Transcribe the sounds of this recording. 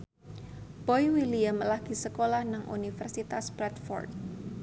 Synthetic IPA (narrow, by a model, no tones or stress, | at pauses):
b̥ɔjwiliamlaɡ̥isəkolahnaŋʔṵnifərsit̪asbɾɛt̪fɔ̰rt̪̚